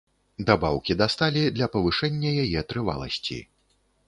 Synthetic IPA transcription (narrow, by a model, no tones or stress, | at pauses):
d̪abawkʲid̪ast̪alʲid̪lʲɐpɐvɨʂɛnʲːɐjajɛt̪ɾɨva̰lˠɐ̰sʲt͡sʲḭ